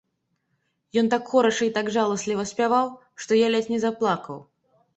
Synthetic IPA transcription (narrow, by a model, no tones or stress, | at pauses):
jɔnt̪akxɔɾɐʂɐit̪aɡʐalˠɐsʲlʲivɐsʲpʲavaw | ʂt̪ɔjalʲɛt̪ʲnʲɛzaplˠakɐw